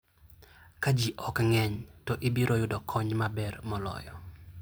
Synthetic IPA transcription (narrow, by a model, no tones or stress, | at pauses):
kad͡ʒiʔɔkŋɛɲtɔʔɪbiɾʔojʊdɔkʰɔɲmabɛrmɔlɔ̰jɔ̰